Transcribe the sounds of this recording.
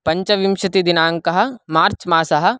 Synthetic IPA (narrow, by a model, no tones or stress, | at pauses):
pɐɲt͡ʃɐʋimʃɐt̪id̪inaːŋkɐɦɐ̆maːɾt͡ʃmaːsɐɦɐ̆